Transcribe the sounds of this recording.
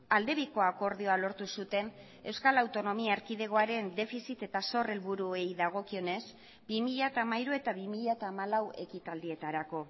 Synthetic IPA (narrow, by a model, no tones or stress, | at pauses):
ald̪e̞βiko̞ako̞ɾðio̞alo̞ɾt̪usut̪e̞n | e̞wskalawt̪o̞no̞miaeɾkiðe̞ɣo̞aɾe̞nd̪e̞fisit̪e̞t̪aso̞re̞lβuɾue̞jðaɣ̞o̞kio̞ne̞z | bimiʎat̪aːmaiɾue̞t̪aβimiʎat̪aːmalawe̞kit̪ald̪ie̞t̪aɾako̞